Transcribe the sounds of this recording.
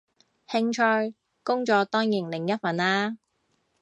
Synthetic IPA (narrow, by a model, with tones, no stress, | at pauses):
hɪ˧ŋt͡ʃʰœː˧˥j | kʊ˥ŋt͡ʃɔː˨˧t̪ɔː˥ŋjiː˨˩nlɪ˨˩ŋjɐ˥t̚fɐ˨˥nlaː˥